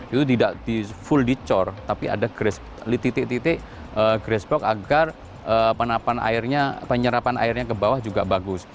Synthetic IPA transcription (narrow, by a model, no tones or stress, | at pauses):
it̪ut̪idaʔdifuldit͡ʃɔrt̪apiʔa̰daɡ̥ɾɛs | lit̪it̪iʔt̪it̪ɪʔ | əɡɾɛsbɔkaɡar | əːpənapana̰ɪrɲapəɲəɾapana̰ɪrɲakəbawahd͡ʒuɡaʔbaɡʊs